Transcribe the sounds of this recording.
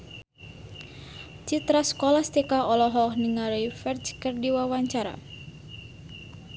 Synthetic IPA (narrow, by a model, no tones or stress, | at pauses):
t͡ʃit̪ɾaskɔlast̪ɛkaɔlɔɦɔhniŋaɾifɛrt͡ʃkərdiwawaɲt͡ʃaɾa̰